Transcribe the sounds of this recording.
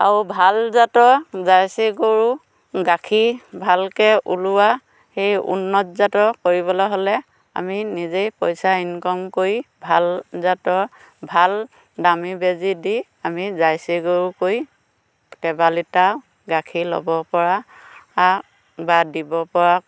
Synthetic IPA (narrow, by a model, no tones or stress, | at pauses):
a̰ɹubʱalzatɔzajsiɡoɹu | ɡakʰibʱalkɛʔuluwa | xejṵnːɔtzatɔkoɹibɔlaɦolɛ | a̰minizejpɔjsainkɔmkoɹibʱalzatɔ | bʱal | damibezidi | amizajsiɡoɹukoj | kɛbalita | ɡakʰilo̰bɔpɔɹaː | badibɔpɔɹa